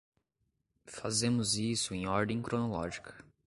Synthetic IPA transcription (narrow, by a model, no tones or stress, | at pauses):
fazẽmʊzisʊẽj̃ɔɾd̪ẽj̃kɾonolɔ̰ʒikʰɐ̥